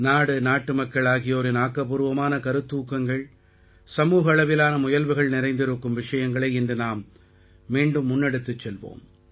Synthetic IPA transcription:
naːɽɯnaːʈːɯmɐkːɐɭaːɣɪjoːɾɪnaːkːɐp̬ːɯɾɯʋɐmaːnɐkɐɾɯt̪ːuːkːɐŋɡɐɭ | sɐmuːɣɐːɭɐʋɪlaːnɐmʊjɐlʋɯɣɐɭnɪɾɐɪnd̪ɪɾɯkːɯmʋɪʂɐjɐŋɡɐɭɐɪɛndrɯnaːmː | iːɳɖɯmːʊnːɛɽɯt̪ːɯt͡ʃːɛlʋo̰ːm

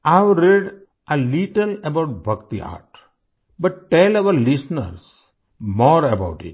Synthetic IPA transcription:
aɪʋɾeɖ | ʔəliʈələbaʊʈ̚bʱʌkt̪ia̰ːʈ | bʌʈːɛlaʋəɾlisnə̰ɾs | mɔːɾəbaʊʈḭʈ

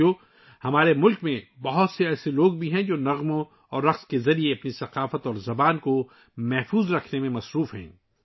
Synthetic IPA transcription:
o | hɐmaːɾemʊlkmẽbɐɦʊt̪seɛːseloːɡ̚bʱiɦɛ̃d͡ʒoːnɐɣmõ | ɔːɾːɐqskezɐɾieɐpnisɐqaːfət̪ɔːɾzɐbaːnko | mɛɦfuːzɾɐkʰnemẽmɐsɾuːfɦɛ̰̃ː

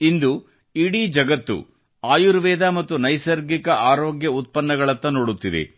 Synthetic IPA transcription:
ind̪u | iɽid͡ʒɐɡɐt̪ːṵ | aːjuɾʋɛːd̪aːmɐt̪ːunɐjsɐɾɡikɐʔaːɾoːɡjɐut̪̚pɐnːɐɡɐɭɐt̪ːɐnoːɽut̪ːid̪ḛ

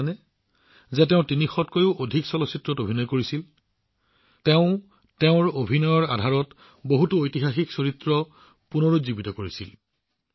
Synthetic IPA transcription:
nɛ | zɛtɛʊ̃tinixɔtkojʊʔodʱiksɔlɔsitɹɔtobʱinɔjkoɹisil | teʊ̃ | teʊ̃ɹobʱinɔjɔɹadʱaɹɔt | boɦutuojtiɦaxiksoɹitɹɔ | punoɹuzibitɔkoɹisil

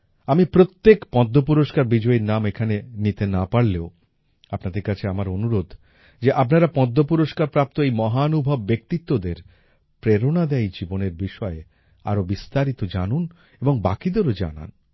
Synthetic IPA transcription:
amipɾot̪ːekpɔd̪ʱːop̬uɾoʃkaɾbid͡ʑɔiɾnamekʰanenit̪enapaɾleo | apnad̪eɾkat͡ɕʰeamaɾonuɾod̪ʱ | d͡ʑeʔapnaɾapɔd̪ʱːopuɾoʃkaɾpɾap̚t̪oejmɔɦanubʱabːek̚t̪it̪ːod̪eɾ | pɾeɾonad̪ɛjd͡ʑiboneɾbiʃɔe | a̰ɾobist̪aɾit̪od͡ʑanun | eboŋba̰kid̪eɾod͡ʑa̰na̰n

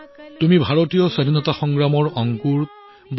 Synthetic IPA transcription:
tumibʱaɹɔtijɔsadʱinɔtaxɔŋɡɹamɔɹɔŋkuɹ | b

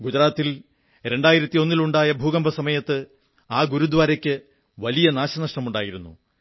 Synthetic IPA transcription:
ɡud͡ʑɐɾaːt̪ːil | ɾe̞ɳɖaːjiɾɐt̪ːio̞nːiluɳɖaːjɐbʱuːɣɐmbʱɐsɐmɐjɐt̪ːɨ | aːɡuɾud̪ʋaːɾɐkʲːɨ | ʋɐlijɐnaːɕɐnɐʂʈɐmuɳɖaːjiɾunːṵ

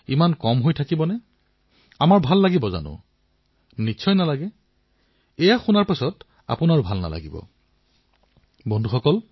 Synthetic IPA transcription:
imankɔmɦojtʰakibɔnɛ | amaɹbʱalːaɡibɔza̰nʊ̰̃ | nitːsʰɔjnalaɡɛ | ɛjaxunaɹpasɔt | a̰pʊnaɹʊbʱalna̰la̰ɡibɔ̰ | bɔndʱuxɔkɔl

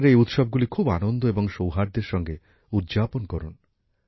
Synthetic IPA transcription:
ɾeejut̪ʃɔb̚ɡulikʰubanond̪ʱoeboŋʃowɦaɾd̪eɾʃɔŋɡe | ud̪d͡ʑaponkɔɾun

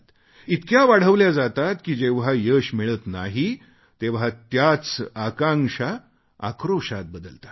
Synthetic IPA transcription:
t̪ | it̪kjaʋaɽ̤əʋljad͡zat̪at̪kiːd͡ʑeʋɦajəɕmiɭət̪na̰ɦi | t̪eʋ̤at̪jat͡sakãŋʂa | a̰kɾoʂat̪̚bəd̪əlt̪ḁ

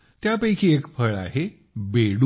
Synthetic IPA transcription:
t̪japəjkʰiːekpʰəɭa̰ɦe | beɽ

